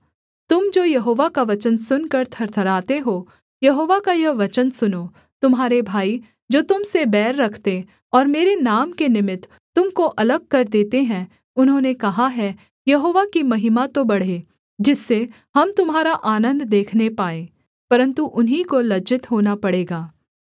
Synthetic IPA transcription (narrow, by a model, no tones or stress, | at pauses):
t̪ʊmd͡ʒoːjɐɦoːʋakaʋɐt͡ʃənsʊnkɐɾt̪ʰɐɾt̪ʰɐɾaːt̪eɦoː | jɐɦoːʋakajɐʋɐt͡ʃənsʊnoː | t̪ʊmɦaːɾebʱaːi | d͡ʒoːt̪ʊmsebɛːɾːɐkʰt̪e | ɔːɾmeːɾenaːmkenɪmɪt̪ːʊmkoʔɐləɡ̚kɐɾd̪eːt̪eɦɛ̃ | ʊnɦõːnekɐɦaɦɛ | jɐɦoːʋakimɐɦɪmat̪obɐɽ̤eː | d͡ʒɪsːe | hɐmt̪ʊmɦaːɾaʔaːnə̃nd̪d̪eːkʰnepaːẽː | pɐɾə̃nt̪uʔʊnɦikolɐd͡ʒɪt̪ɦoːnapɐɽeːɡaː